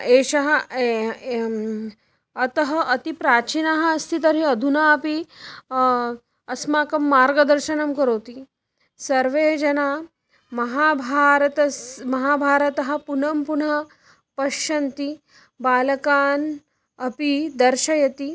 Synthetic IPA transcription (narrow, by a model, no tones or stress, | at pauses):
eːʃɐɦɐ | ɐt̪ɐɦɐʔɐt̪ipɾaːt͡ʃinaɦɐːst̪ʰit̪ɐɾiɐd̪ʱunaːɐpi | ɐsmaːkɐmːaːɾɡɐd̪ɐɾʃɐnɐmkɐɾoːt̪i | sɐɾʋeːd͡ʒɐnaː | mɐɦaːbʱaːɾɐt̪ɐsmɐɦaːbʱaːɾɐt̪ɐɦɐ̆punɐmpunɐ | pɐʃɐnt̪i | baːlɐkaːn | ɐpid̪ɐɾʃɐjɐt̪i